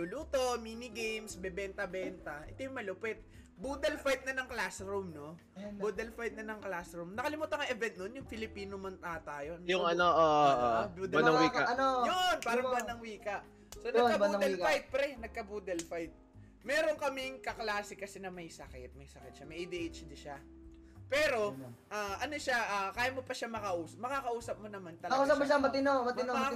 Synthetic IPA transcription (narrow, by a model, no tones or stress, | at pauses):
lʊluːt̪ominɪɡejmsbɛbɛnt̪ɐbɛnt̪ɐʔɛt̪ojʊŋmɐlopɛt̪̚ | buːd̪ɛlfajt̪̚nɐnɐŋklasɾumno̞ | bud̪ɛlfajt̪̚nɐnɐŋklasɾumnɐkɐlɪmuːt̪ɐŋɐʔɛvɛnt̪̚nonjʊŋfɪlɪpiːnomɐnt̪aːt̪ɐjonjʊŋɐnoʔoːʔʔobud̪ɐɐwikaɐnojonpaːɾɐbanɐŋwiːkɐʔ | sonɐkɐuːd̪ɛfajt̪̚pɾɛnɐɡ̚kɐbuːd̪ɛlfajt̪̚ | mɛːɾo̞ŋkɐmɪŋkɐklaːsɪkɐsɛnɐmɐjsɐkɛ̰t̪̚mɐjsɐkɛt̪̚ʃamɐjʔejd̪iʔejt͡ʃd̪ɪʃa | pɛːɾo̞ʔaːʔɐnoʃaʔaːkaːjɐmopɐʃamɐkɐʔuːsɐmɐkakɐʔuːsɐp̚monɐmant̪ɐkosɐbɐabɐt̪ɪnomɐtɪn